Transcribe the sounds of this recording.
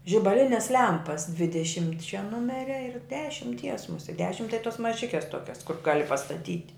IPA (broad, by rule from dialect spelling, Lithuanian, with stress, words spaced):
ʒʲɪbɐˈlʲɪnʲɛs ˈlʲɛmpɐs dʲʋʲɪdʲɛˈʃʲɪmʲtʲt͡ʃʲɛ ˈnʊmʲɛrʲɛ ɪr dʲɛʃʲɪmʲˈtʲiɛs mʊˈsʲiɛ ˈdʲæːʃʲɪm tɐɪ toːs mɐˈʒʲɪkʲɛs ˈtoːkʲɛs kʊr ˈɡɑːlʲɪ pɐstɐˈtʲiːtʲ